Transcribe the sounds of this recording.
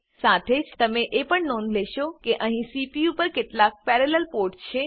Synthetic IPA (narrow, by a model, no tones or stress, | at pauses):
sat̪ʰed͡ʒt̪əmeʔepəɳnõnleʃokeʔəɦĩsipiupəɾkeʈlak̚pɛɾeləlpoɾʈt͡ʃʰe